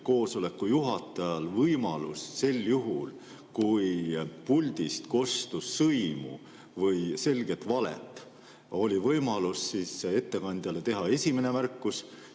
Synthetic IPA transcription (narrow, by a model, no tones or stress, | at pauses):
ko̞ːso̞le̞kːˑujuɦɑt̪ːˑɑjɑlvɤjmɑlusse̞lːjuɦul | kujpulʲd̪̥ist̪ko̞st̪usːɤjmṵ | vɤjse̞lɡ̥e̞t̪vɑlḛt̪ˑː | o̞lʲivɤjmɑlusːiːse̞t̪ːe̞kɑnʲd̪̥jɑle̞t̪e̞ɦɑe̞sʲimene̞mærkːˑus